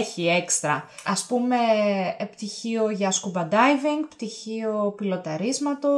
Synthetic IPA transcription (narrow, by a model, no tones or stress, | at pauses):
çiekst̪ɾɐɐspume̞pt̪içioʝɐskubɐd̪ɐjviŋɡpt̪içio̞pilo̞t̪ɐɾizmɐt̪o̞